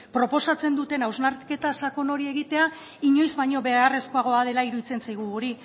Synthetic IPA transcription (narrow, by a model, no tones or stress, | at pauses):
pɾo̞po̞sat͡se̞nd̪ut̪e̞nawznaɾke̞t̪asako̞no̞ɾie̞ɣit̪e̞a | iɲo̞jzβajɲo̞βe̞are̞skoaɣ̞o̞aðe̞laiɾuðit͡se̞nsajɣ̞uɣuɾi